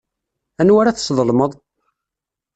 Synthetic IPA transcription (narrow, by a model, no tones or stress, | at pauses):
ænwaɾaθsˤðˤəlməðˤ